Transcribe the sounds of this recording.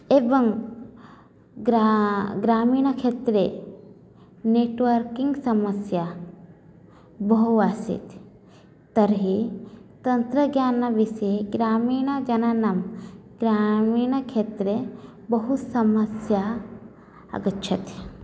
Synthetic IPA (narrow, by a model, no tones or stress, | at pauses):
eːbɐŋ | ɾaɡɾaːmiːɳ̃ɐkʰeːt̪ɾe | neʈʋɐɾkiŋɡsɐmɐsja | bɐɦuaːsḭt̪ | t̪ɐɾɦit̪ɐnt̪ɾɐɡjaːnɐʋiseɡɾaːmiːɳ̃ɐd͡ʒɐnɐnɐmɡɾaːmiːɳ̃ɐkʰeːt̪ɾe | bɐɦusɐmɐsja | ɐ̰ɡɐtːʃʰɐt̪